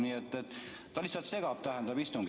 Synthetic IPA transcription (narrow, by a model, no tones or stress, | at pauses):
niːet̪ːet̪ː | t̪ːɑlisːɑt̪se̞ɡ̥ɑp̚t̪æhænd̪ɑbist̪uŋɡ